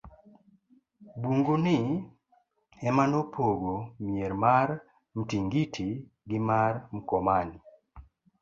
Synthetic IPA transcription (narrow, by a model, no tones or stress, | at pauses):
buŋɡunɪ | ɛmanopʰoɡomjɛɾmaɾ | m̩tiŋɡitʰi | ɡɪmaɾm̩kɔmani